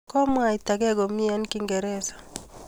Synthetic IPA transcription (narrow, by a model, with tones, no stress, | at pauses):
kɔ˦mwa˨i˨ta˨ɡɛ˦ɡɔ˨mi˦a˦nki˦ŋɡɛ˨ɾɛ˦sḁ˨